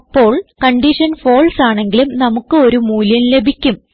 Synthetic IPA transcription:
pːo̞ːɭkɐɳɖiʂɐnfo̞ːɭsaːɳe̞ŋɡilumnɐmukːɨo̞ɾumuːljɐnle̞bʱikʲːum

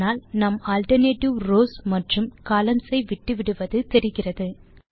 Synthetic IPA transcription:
aːlnɐmaːlʈɐɾneːʈɪʋroːsmɐʈrɯmkɐːlɐnsɐɪʋɪʈːɯʋɪɽɯʋɐðɯt̪ɛɾɪɣɪrɐðɯ

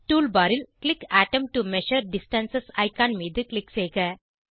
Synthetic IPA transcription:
ʈuːlbaːɾɪlklɪkæːʈɐ̃mʈumɛʃəɾɖɪsʈɐ̃nsɐsa̰ɪkãːnmiːd̪ɨklɪkseːɣɐ

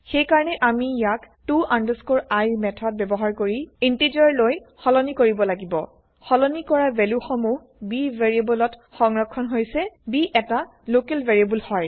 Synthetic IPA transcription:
xejkaɹɔnɛʔamijak | tuʔandəskoɹajmɛtʰɔt̚bɛbɔɦaɹkoɹiintid͡ʒɔɹlojxɔlɔnikoɹibɔlaɡibɔ | xɔlɔnikɔɹabɛljuxɔmu | bivʱeɹiebɔlɔtxɔŋɹɔkʰːɔnɦojsɛbiʔɛta | lokɛlbʱeɹiebulhɔj

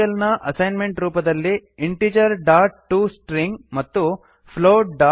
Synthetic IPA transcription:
ɐlnɐʔɐsɐjnmeɳʈɾuːpɐd̪ɐlːiiɳʈid͡ʒɐɾɖaːɾʈːusʈɾiŋɡmɐt̪ːu | pʰloːɖɖa

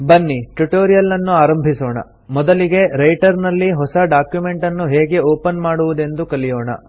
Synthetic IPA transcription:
bɐnːiʈuʈoːɾijɐlːɐnːuaːɾɐmbʱisoːɳɐ̰ | mɔd̪ɐliɡe̞ɾɐjʈɐɾnɐlːiɦɔsɐɖaːkjume̞ɳʈɐnːuɦeːɡe̞oːpɐnmaːɽuʋud̪e̞nd̪ukɐlijoːɳɐ̰

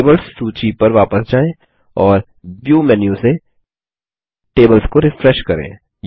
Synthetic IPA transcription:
bəlsːuːt͡ʃipɐɾʋaːpəsd͡ʒaːẽ | ɔːɾ | bjuːmɛnjũse | ʈeːbəlskoɾɪfɾɛʃkɐɾḛ̃ː | j

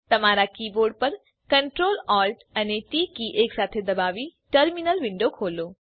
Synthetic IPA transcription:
t̪ɐmaːɾakiːboːɾɖ̚pɐɾ | kɐɳʈɾoːlɔːlʈəneʈiːkiʔeːksaːt̪ʰed̪ɐbaːʋiʈəɾminəlʋɪ̃ɳɖokʰoːloː

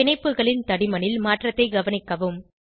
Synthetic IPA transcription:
ɪnɐɪpːɯɣɐɭɪnt̪ɐɽɪmɐnɪlmaːʈrɐt̪ːɐɪɡɐʋɐnɪkːɐʋɯm

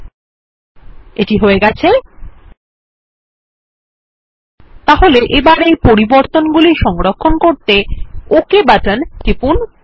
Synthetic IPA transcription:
eʈiɦoeɡɛt͡ɕʰe | t̪aɦoleʔebaɾejpoɾiboɾt̪onɡuliʃɔŋɾokʰːonkoɾt̪eokebaʈant̪ɾipun

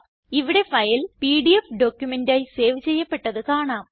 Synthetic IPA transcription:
iʋiɽe̞fɐjilpiːɽiefɖo̞ːkʲːjumendaːjse̞ːʋɨt͡ɕe̞jːɐpːe̞ʈːɐðɨkaːɳaːm

